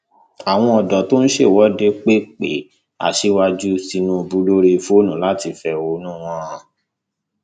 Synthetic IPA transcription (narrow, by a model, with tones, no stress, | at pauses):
a˨w̃ɔ̃˧ɔ˨dɔ˨to˦ñ̩˦ʃe˦˨wɔ˨˦de˦k͡pe˦k͡pḛ˨˦ | a̰˨ʃe˧˦wa˦d͡ʒu˦si˧nũ˦˧bu˦lo˦ɾe˧fo˦nũ˨la˦ti˧fɛ˧o˧˦nũː˦˨w̃ɔ̃˦ã˨